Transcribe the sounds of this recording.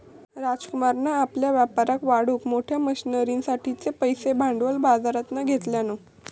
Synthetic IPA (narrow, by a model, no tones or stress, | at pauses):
ɾad͡zkumaɾnaːpljaʋjapaɾakʋaɽukmoʈʰjaməɕinəɾinsaʈʰit͡sepəjsebʱaɳɖʋəlbad͡zaɾat̪naɡʱet̪ljano